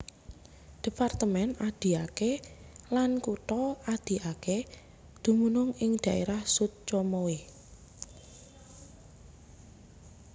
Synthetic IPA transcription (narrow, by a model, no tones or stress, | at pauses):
d̪̥i̤part̪əmɛnad̪̥i̤akelankut̪ɔad̪̥i̤ʔake | d̪̥ṳmunʊŋɪŋd̪̥a̤ʔeɾahsut̪̚t͡ʃɔmɔwe